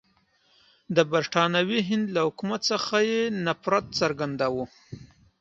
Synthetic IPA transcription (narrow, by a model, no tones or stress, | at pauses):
d̪əbaɾʈɑnawiɦɪnd̪lahʊkumat̪səxajenapɾat̪̚t͡saɾɡand̪awu